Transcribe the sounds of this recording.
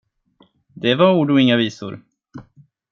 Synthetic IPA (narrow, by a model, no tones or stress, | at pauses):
d̪ɛvaɾuːɖʊɪŋːaviːsʊ̰ɾ